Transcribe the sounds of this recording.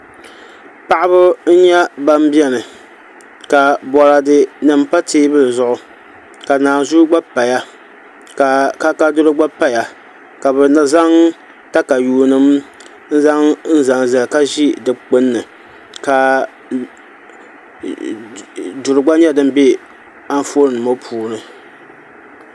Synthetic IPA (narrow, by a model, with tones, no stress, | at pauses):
pa˨ʔa˦bɨ˦n̩˦ɲɛ˦ba˦m˦bi˦ɛ˦nɨ˨ | ka˨bɔ˨ɾa˨dɨ˦nɨ˨m˦pa˦tʰeː˦bɨ˦lzʊ˦ʔʊ˦ | ka˨naː˨zu˦ɡ͡ba˦pa˨ja˦ | ka˨ka˦ka˦dʊ˦ɾɨ˦ɡ͡ba˦pa˦ja˨ | ka˨bɛ˨na˦za˦ŋ | ta˦ka˨juː˨nɨ˦m | n̩˦za˦ŋn̩˦za˨ŋza˨lka˦ʒi˦dɨ˨k͡pɨ˦nːɨ˨ | ka˨ | dʊ˨ɾɨ˨ɡ͡ba˦ɲɛ˦dɨ˦m˦be˦ | a˦n˦fo˦ɾɨ˨nɨ˨mo˦pʰuː˨˦nɨ˨